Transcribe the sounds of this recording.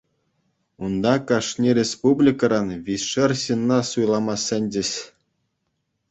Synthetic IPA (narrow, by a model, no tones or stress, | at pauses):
und̪ɑkɑʂnʲiɾʲespublʲikɑɾɑnʋʲisʂɘ̆rɕinːɑsujlˠɑmɑsʲːɘ̆nʲd͡ʑɘ̆ɕ